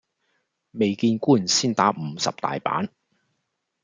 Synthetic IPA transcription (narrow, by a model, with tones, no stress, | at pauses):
me˨jkiː˧nkuː˥˩siː˥˩nt̪aː˨˥k̚m̩ː˨˧sɐ̰˨p̚t̪a̰ː˨jpa̰ː˨˥n